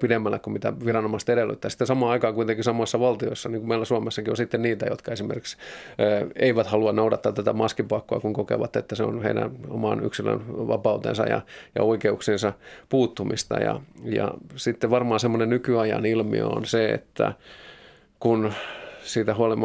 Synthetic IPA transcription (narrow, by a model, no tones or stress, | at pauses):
pidemːælːekkummit̪æʋirɑnomɑst̪eɾelːy̰t̪ːæːsi̥t̪ensɑmɑːɑikɑːkuit̪eŋkisɑmoisːɑʋɑlt̪io̰isːɑniːŋkumeilæsuɑmesːɑkionsit̪ːenniːt̪æjot̪kɑesimḛrki̥ks | eiʋæt̪hɑluɑnnoudɑt̪ːɑt̪æt̪æmɑskipɑkːoɑ̰kuŋkokḛʋɑt̪ːet̪ːæseo̰nhḛiɾæ̰no̰mɑ̰ny̰ksilø̰nʋɑ̰pɑut̪ḛnsɑ̰jɑ̰jɑ̰oikeuksensɑpuːt̪ːumist̪ɑ̰jɑ̰jɑ̰sit̪ːeʋʋɑrmɑːsemːonennykyɑjɑ̰nilmḭo̰o̰nseḛt̪ːæ̰ | kunsiːt̪æhuɑlim